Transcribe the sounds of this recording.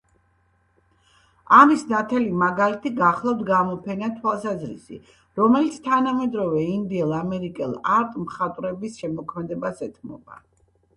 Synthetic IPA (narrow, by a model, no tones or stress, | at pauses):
amisnat̪ʰɛlimaɡalit̪ʰiɡaχlˠavd̪ɡamɔpʰɛnat̪ʰwalˠsazɾḭsḭ | ɾɔmɛlit̪sʰt̪ʰanamɛd̪ɾɔvɛind̪iɛlˠamɛɾikʼɛ̰lˠaɾt̪ʼmχat̪ʼɾɛbisʃɛmɔkʰmɛd̪ɛbasɛt̪ʰmɔ̰ba̰